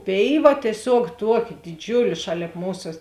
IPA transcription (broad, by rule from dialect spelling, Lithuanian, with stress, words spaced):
ˈpʲeːɪˌʋɐ tʲiɛˈsʲuɔk ˈtuɔˌkʲɪ dʲɪˈd͡ʒʲʊlʲeː ˈʃɑːlʲeːp ˈmuːsɐ